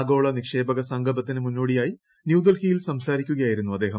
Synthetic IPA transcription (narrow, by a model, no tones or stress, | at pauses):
ɡo̞ːɭɐnikʂe̞ːbɐɣɐsɐŋɡʱɐbɐt̪ːinɨmunːoːɽijaːji | njuːd̪ɐlhijilsɐmsaːɾikʲːuɣɐjaːjiɾunːuɐd̪ːe̞ːɦɐm